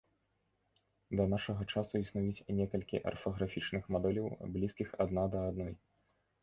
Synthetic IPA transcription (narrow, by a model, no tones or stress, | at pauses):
d̪ɐnaʂɐɣɐt͡ʂasuisnujut͡sʲnʲɛkɐlʲkʲḭʔɐ̰rfɐɣɾafʲit͡ʂnɨxmad̪ɛlʲɐwblʲiskʲixad̪nad̪ɐːd̪nɔj